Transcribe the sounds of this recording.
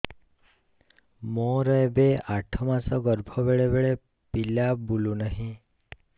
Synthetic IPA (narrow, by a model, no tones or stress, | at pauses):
mɔ̃ɾəjbeaʈʰɔmãsɔɡɔɾbʱɔbeɭebeɭe | piljabulunəɦĩ